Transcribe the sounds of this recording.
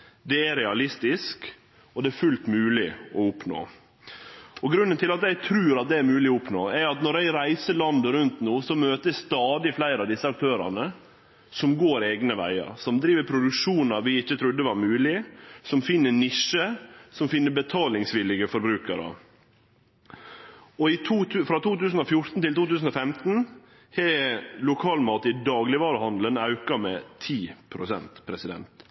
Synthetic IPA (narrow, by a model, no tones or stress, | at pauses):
d̪ɛæɾɛɑlɪst̪ɪsk | ɔd̪ɛæɾfʉlt̪mʉːlɪɔʊpno̰ː | ɔɡɾʉnːənt̪ɪlɑt̪jæɪt̪ʰɾʉːɾɑt̪̚d̪ɛæɾmʉːlɪɔʊpno̰ːæɾɑt̪nɔɾæɪɾæɪsəlɑnd̪əɾʉnt̪nuːsɔmøːt̪əsst̪ɑːd̪ɪflæɪɾɑʋd̪ɪsːəɑk̚t̪ʰøːɾɑ̰nə | sɔmɡoːɾeːɡnəʋæ̰ɪɑ̰ɾsɔmd̪ɾiːʋəɾpʰɾʊd̪ʉkʂuːnɑʋɪɪçːət̪ʰɾʉd̪ːəʋɑɾmʉːlɪsɔmfɪnːənɪʂəsɔmfɪnːəbət̪ʰɑːlɪŋsʋɪlɪɡəfɔɾbɾʉːkɑɾə̰ | ɔɪt̪ʰuːfɾɑːt̪ʰuːt̪ʉːsn̩ɔfjʊɾt̪n̩t̪ɪlt̪uːt̪ʉːsn̩ɔfɛmt̪n̩ | hɛlʊkʰɑːlmɑːt̪ɪd̪ɑːɡlɪʋɑːɾəhɑnd̪lənɑʉkɑmɛt̪ʰiːpʰɾʊsɛ̰nt̪pʰɾɛsɪd̪ɛ̰nt̪